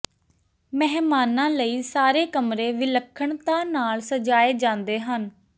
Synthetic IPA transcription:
mɛɦmaːnãːləiːsaːɾeːkəmɾeːʋɪləkʰːəɳt̪ãːnaːlsəd͡ʒaːeːd͡ʒãːnd̪eːɦən

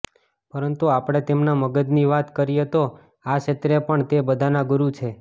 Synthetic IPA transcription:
pəɾənt̪uapɽ̃et̪emnaməɡəd̪niʋat̪kəɾiet̪o | aʃət̪ɾepəɳt̪ebəd̪ʱanaɡuɾut͡ʃʰe

